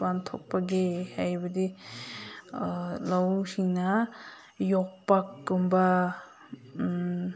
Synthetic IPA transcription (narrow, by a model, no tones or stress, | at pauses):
bant̪ʰɔ̰k̚paɡehajbɐd̪i | lawsina | jɔk̚pakːumba